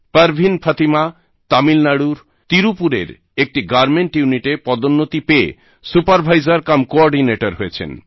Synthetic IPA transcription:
pəɾbʱinpʰət̪ima | t̪amilnaɽuɾ | t̪iɾupuɾḛɾ | ek̚ʈiɡaɾmeɳʈjuniʈepɔd̪onːot̪ipeḛ | supaɾbʱajzaɾkamkoɔɾɖineʈaɾɦojet͡ɕʰḛn

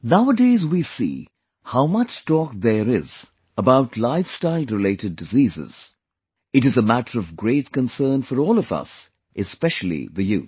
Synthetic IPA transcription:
naʊədeɪzwisḭː | haʊmʌt͡ʃtɔːk̚ðəɾɪz | əbaʊtʰlaɪfstaɪlˠɹɪleɪɾɨd̚ɨziːzɪ̰z̥ | ɨɾɨzəmæɾəɾʌvɡɹeɪt̚kə̃nsɜ̃ːnfəɾɔːlˠʌvʌ̰s | ʔɨspɛʃl̩ˠḭðɨjṵː

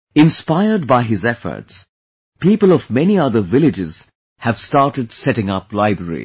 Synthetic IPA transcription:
ɪ̃nspaɪə˞d̚baɪɦɪzɛfə̰˞ts | piːpəlˠɔvmɛniʌðə˞vɪlɪd͡ʒɪz̥ | hɨv̥stɑːʈɨdsɛɾɪ̃ŋʌplaɪbɹəɹḭ

